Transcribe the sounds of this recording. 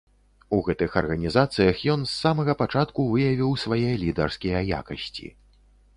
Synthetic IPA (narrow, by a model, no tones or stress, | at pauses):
uɣɛt̪ɨxɐ̰rɣɐnʲizat̪sɨjɐxjɔnsːamɐɣɐpat͡ʂat̪kuvɨjɐvʲiwsvajɛjɐlʲid̪ɐrskʲijɐja̰kɐsʲt͡sʲḭ